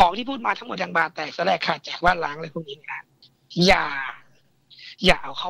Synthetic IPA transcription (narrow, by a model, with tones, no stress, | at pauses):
kʰɔː˩˦ŋʰiː˥˩pʰuː˥˩t̪̚maː˧t̪ʰa˦˥mo˨˩t̚jaː˧ŋbaː˧˩t̪ɛː˨˩k̚t̪ɔː˧˦lɛː˧˩kʰːaː˧˩t̪̚t͡ɕaː˨˩k̚baː˥˩nlaː˦˥ŋlɤː˧˥pʰuː˧˥˩niː˦˥˦i˧˩a˧˩ | jaː˨˩ | ja̰ː˨˩ʔa˨˩kʰa˦˥